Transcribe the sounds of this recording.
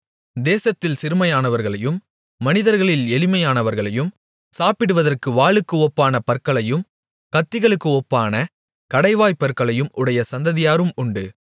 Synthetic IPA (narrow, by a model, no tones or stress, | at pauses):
d̪eːsɐt̪ːɪlsɪɾɯmɐjaːnɐʋɐɾɣɐɭɐjɯmː | ɐnɪðɐɾɣɐɭɪlɛlɪmɐjaːnɐʋɐɾɣɐɭɐjɯm | saːpɪɽɯʋɐðɐrkɯʋaːɭɯkːɯɔpːaːnɐpɐɾkːɐɭɐjɯm | kɐt̪ːɪɣɐɭɯkːɯɔpːaːnɐ | kɐɽɐɪʋaːjpɐɾkːɐɭɐjɯmʔʊɽɐjɐsɐnd̪ɐðɪjaːɾɯmʊɳɖɯ